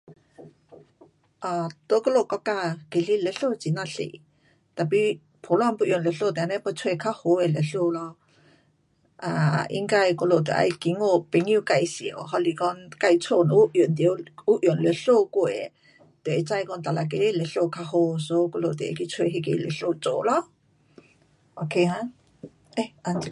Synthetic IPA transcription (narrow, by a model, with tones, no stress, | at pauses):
ʔa˨t̪o˧˦kə˥˧lo˧˨kɔ˧˦ka˧ke˨li˧le˧˦ɬo˧t͡si˨˦na˧ɬḛ˨ | t̪a˨pi˧ | pʰo˨˦lwa˧˨npu˧ʔjo˨nlə˧˨ɬo˥˧˨t̪ɛ˨˧˦nɛ˧˦pə˧t͡sʰwkʰa˧ho˨˧˦e˨le˨ɬo˧lɔ˧ | ʔa˧˨ʔḭ˧˦ŋka˧jko˧lo˨t̪ḛ˧˨ʔa̰˧jki˨˦ŋo˧˨pe˨˦ŋi˧ka˧˨jsi˨ə˨wɦɔ˧li˧˨kɔ˧nka˧jt͡sʰo˧˨nɔ˧˦u˧˦ʔjo˨nt̪i˨o˧wu˦ʔjo˨nlə˧˨ɬo˧ko˧˨e˨ | t̪e˨e˨˧˦t͡sa˧jkɔ˧˨nt̪a˨la˧k̬e˧˦le˨ɬo˧kʰa˧ho˧so˧˦ko˧lo˧˨t̪e˨ḛ˧ki˧t͡sʰwe˧ɦe˧k̬e˧le˨˧˨ɬo˧t͡so˨lɔ˦ | o˧kʰe˧ã˧ | e˧ʔa˧ni˧˨